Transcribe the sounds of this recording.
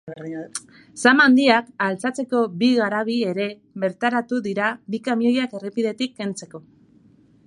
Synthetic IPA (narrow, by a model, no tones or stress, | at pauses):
samand̪iakalt͡sat͡se̞ko̞βiɣaɾaβ̞ie̞ɾe̞ | βe̞ɾt̪aɾat̪uðiɾanikamio̞jake̞repiðe̞t̪ikːe̞nt͡se̞ko̞